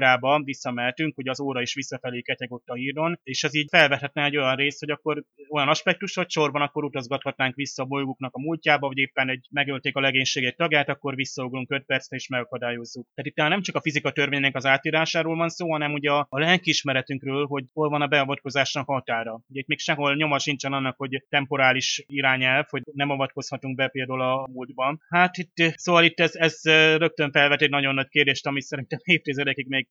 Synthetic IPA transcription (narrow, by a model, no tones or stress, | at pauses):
ɾaːbɒvisːɒmɛlt̪yŋkhoɟɒzoːɾɒiʃʋisːɒfɛliːkɛcɛɡo̞t̪ːɒɦiːrd̪o̞neːʃɛziːɟfɛlvɛt̪hɛt̪nɛɛɟo̞jɒnreːst̪ho̞ɟɒkːo̞ro̞jɒnɒʃpɛk̚t̪uʃho̞cʃo̞rbɒnɒkːo̞ɾut̪ɒzɡɒt̪hɒt̪naːŋkʋisːɒːbojɡuknɒkɒmulcaːbɒvɟeːpːɛnɛɟ̚mɛɡølt̪eːkɒlɛɡeːɲʃeːɡɛc̚t̪ɒɡjaːt̪ɒkːo̞rʋisːɒuɡluŋkø̞t̪̚pɛrt̪sɾɛiːʃmɛɡɒkɒd̪aːjo̞zːuk̪̚aːt̪it̪ːɛnnɛmt͡ʃɒkɒfizikɒt̪ørveːɲnɛkɒzaːt̪iːɾaːʃaːɾoːlvɒnsoːɦɒnɛmuɟɛɒːlɛŋkiiʃmɛɾɛt̪yŋkrøːlɦo̞ɟho̞lvɒnɒbɛɒvɒt̪̚ko̞zaːʃnɒkɒt̪aːɾɒuɟɛit̪meːkʃɛɦolɲo̞mɒʃint͡ʃɛnɒnːɒkho̞ɟt̪ɛmpo̞ɾaːliʃiɾaːɲɛlfho̞ɟnɛmɒvɒt̪̚ko̞shɒt̪uŋk̚bɛpeːld̪olɒuld̪bɒnhat̪it̪ːsoːvɒlit̪ːɛzɛzrø̞k̚t̪øɱfɛlvɛt̪ɛɟnɒɟo̞nːɒckeːrd̪eːʃt̪ɒmisɛɾint̪ɛmeːft̪izɛd̪ɛkikmeːɡ